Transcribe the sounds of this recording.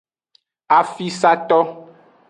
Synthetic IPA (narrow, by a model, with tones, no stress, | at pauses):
a˨fi˦sa˦t̪ɔ˦